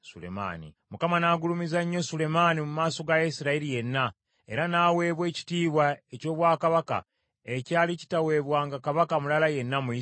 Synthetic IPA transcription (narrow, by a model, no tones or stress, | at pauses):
sulḛma̰nḭ | mukamanaːɡulumizaɲːo̞sule̞manimumaːso̞ɡajisiɾailije̞nːa | e̞ɾanaːwe̞ːβwe̞ːci̥tiːβwaeco̞ːβwaːkaβaka̰ | ecaːlici̥tawe̞ːβwaːŋɡakaβakamulalaje̞nːamuji